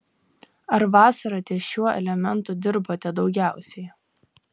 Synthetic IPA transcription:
ɐɾʋɑːsɐɾɐt̪ʲiɛʃʲuɔʔɛ̰lʲɛmʲɛnˑt̪ʊd̪ʲɪɾboːt̪ʲɛd̪ɒʊɡʲæˑʊsʲɛɪ

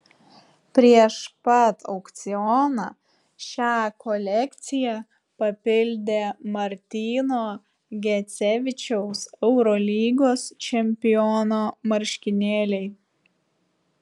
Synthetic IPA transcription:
pʲɾʲiɛʃpɐt̪ʰɒ̰ʊkt̪sʲɪɔnɑ | ʃʲæːkɔlʲɛkʲt̪sʲɪjæ | pɐpʲɪlʲd̪ʲeːmɐɾʲt̪ʲiːnoː | ɡʲɛt̪sʲɛʋʲɪt͡ʃʲɛʊsɛʊɾɔːlʲiːɡoːst͡ʃʲɛmʲpʲɪjɔnoːmɐɾʲʃʲkʲɪnʲeːlʲɛɪ

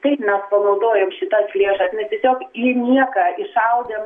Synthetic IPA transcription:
t̪ɐɪpmʲɛspɐnɐʊd̪oːjoːmʃʲɪt̪ɐslʲeːʃɐsnʲɛst̪ʲiɛsʲoːkinʲiɛkɐɪʃɐʊd̪ʲeːm

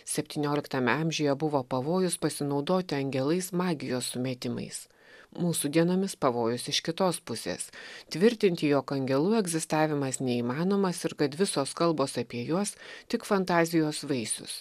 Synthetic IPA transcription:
sʲɛpʲt̪ʲiːnʲoːlʲɪkt̪ɐmʲɛɐmʲʒʲʊjɛbʊʋoːpɐʋoːjʊspɐsʲɪnɒʊd̪oːt̪ʲɪɐŋʲɡʲɛlˠɐɪsmɑːɡʲɪjoːsːʊmʲɛːt̪ʲɪmɐ̰ɪs | muːsud̪ʲiɛnoːmʲɪspɐʋoːjʊsɪʃkʲɪt̪oːspʊsʲḛːst̪ʲʋʲɪɾʲt̪ʲɪnʲt̪ʲɪjoːkɐŋʲɡʲɛlˠuːɛɡzʲɪst̪ɑːʋʲɪmɐsnʲɛiːmɑːnoːmɐsɪɾkɐt̪ʋʲɪsoːskɐlˠboːsɐpʲiɛjuɔst̪ʲɪkfɐnt̪ɑːzʲɪjoːsʋɐɪsʲʊ̰s

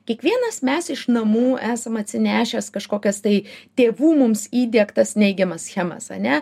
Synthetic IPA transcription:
kʲiɛkʋʲiɛnɐsmʲɛsɪʃnɐmuːæːsɐmɐt̪ʲsʲɪnʲæːʃʲɛskɐʃkoːkʲɛst̪ɐɪt̪ʲeːʋuːmʊmsiːd̪ʲiɛkt̪ɐsnʲɛɪɡʲɛmɐsxʲæmɐ̰sɐ̰nʲɛ

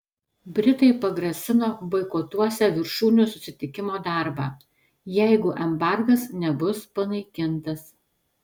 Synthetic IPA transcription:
bʲɾʲɪt̪ɐɪpɐɡɾɐsʲɪnoːbɐɪkɔt̪uɔsʲɛʋʲɪɾʃuːnʲuˑsʊsʲɪt̪ʲɪkʲɪmoːd̪ɑˑɾbɑː | jɛɪɡʊʔɛmbɑˑɾɡɐsnʲɛbʊspɐnɐɪkʲɪnt̪ɐs

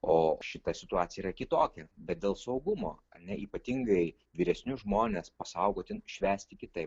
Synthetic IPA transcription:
oːʃʃʲɪt̪ɐsʲɪt̪ʊɑːtt͡sʲɪjɛirɐkʲɪt̪oːkʲɛbʲɛt̪̚d̪ʲeːlˠsɒʊɡʊmo̰ːɐnʲɛʔiːpɐt̪ʲiŋɡɐɪ | ʋʲiːɾʲɛsʲnʲʊʒmoːnʲeːspɐsɐʊɡoːt̪ʲɪnʃʲʋʲæːsʲt̪ʲɪkʲɪt̪ɐɪp

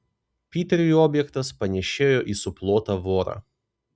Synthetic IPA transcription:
pʲiːt̪ʲɛɾʲʊjoːbʲjɛkt̪ɐspɐnʲɛʃʲeːjoːʔiːsʊplˠoːt̪ɑːʋoːɾɑ̰ː

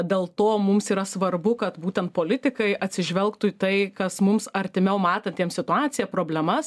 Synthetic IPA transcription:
d̪ʲeːlˠt̪oːmʊmsiːɾɐsʋɐrbʊkɐt̪buːt̪ʲɛnt̪̚poːlʲɪt̪ʲɪkɐɪʔɐt̪ʲsʲɪʒʲʋʲɛlˠkt̪ʊit̪ɐɪkɐsmʊmsɐɾʲt̪ʲɪmʲɛʊmɑːt̪ɐnt̪ʲiɛmsʲɪt̪ʊɑːt̪sʲɪjɛːpɾoːbʲlʲɛmɐs

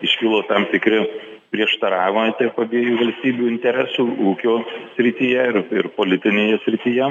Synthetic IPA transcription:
ɪʃʲkʲɪlˠoːt̪ɐmt̪ʲɪkɾʲɪpʲɾʲiɛʃt̪ɐɾɑːʋʲɪmot̪ʲɛpɐbʲiɛjuːʋɐlʲsʲt̪ʲiːbʲuːɪnʲt̪ʲɛɾʲæːsuːuːkʲoːsʲɾʲɪt̪ʲiːjɛɪrɪrpoːlʲɪt̪ʲɪnʲeːjɛsʲɾʲɪt̪ʲiːjɛ

